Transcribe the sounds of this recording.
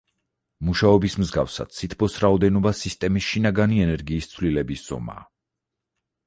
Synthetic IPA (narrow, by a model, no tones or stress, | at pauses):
muʃaɔbismzɡafsa̰d̪̥̚sʰit̪ʰbʰɔsɾaɔd̪ɛnɔbasist̪ʼɛmisʃinaɡaniɛnɛɾɡiːst̪sʰvlilɛbisz̥ɔ̰ma̰ː